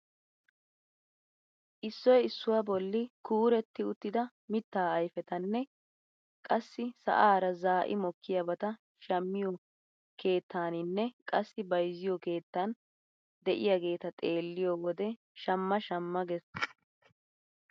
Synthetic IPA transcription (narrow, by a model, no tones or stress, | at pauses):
ʔɪsːɔjɪsːʊwɐbɔlːɪkuːɾɛt̪ːɪʊt̪ːɪd̪ɐ | mɪt̪ːaːɐjfɛt̪ɐnːɛ | kʼɐsːɪsɐ̰ʔaːɾɐzaːʔɪ̰mɔkːɪjabɐt̪ɐ | ʃɐmːɪjɔ | kʰe̞ːt̪ːaːnɪnːɛkʼɐsːɪbɐjzɪjɔke̞ːt̪ːɐn | d̪ɛʔɪjaɡe̞ːt̪ɐt̪ʼe̞ːlːɪjowɔd̪ɛ | ʃɐmːɐʃɐmːɐɡɛs